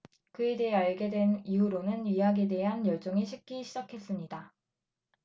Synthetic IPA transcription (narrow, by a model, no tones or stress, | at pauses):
kɯe̞de̞ɦeaɭɡe̞dwe̞niuɾonɯnɥiɦaɡede̞ɦanjʌɭt͡ɕ͈oŋiɕʰik͈iɕʰid͡ʑakʰe̞s͈ɯmɲida